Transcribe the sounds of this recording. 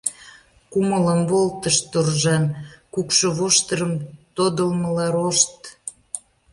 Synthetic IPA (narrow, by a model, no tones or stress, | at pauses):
kumələmβolt̪əʃt̪ːurʒɑnkukʃəβoʃt̪əɾəmt̪od̪əlməlɑɾoʃt̪